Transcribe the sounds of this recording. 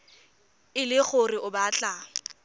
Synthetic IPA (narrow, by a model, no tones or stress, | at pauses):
ɪlɪχʊrɪʔʊbaːt͡ɬʼa